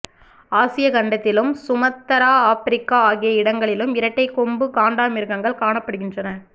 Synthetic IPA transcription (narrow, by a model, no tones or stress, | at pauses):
aːsɪjɐɡɐɳɖɐt̪ːɪlɯmsʊmɐt̪ːɐɾaːaːfɪɾɪkːaːaːɣɪjɐɪɽɐŋɡɐɭɪlɯmɪɾɐʈːɐɪkːɔmbɯkaːɳɖaːmɪɾkɐŋɡɐɭkaːɳɐpːɐɽɯɣɪndrɐnɐ